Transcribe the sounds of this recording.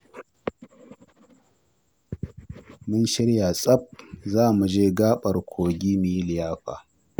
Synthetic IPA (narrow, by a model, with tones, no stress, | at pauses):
mʊ˦nʃɪ˦ɽja˨sʼɐ˦p̚zaː˦˨mu˨d͡ʒeː˦ɡaː˦ɓɐ˨rkʷʰoː˨ɡʲiː˦mi˨˦lɪ˨jaː˦ɸa̰ː˨